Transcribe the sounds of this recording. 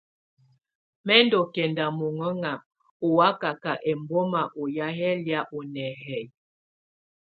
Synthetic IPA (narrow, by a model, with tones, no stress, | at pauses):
mɛ˦ndo˨kɛ˨nda˨mo˨ŋɔ˦ŋa˨m | o˨wa˦ka˨ka˨ʔɛ˨mbo˦ma˨ʔo˨ja˦ɦɛ˦lja˦ʔo˨nɛ˨ɦɛ˨j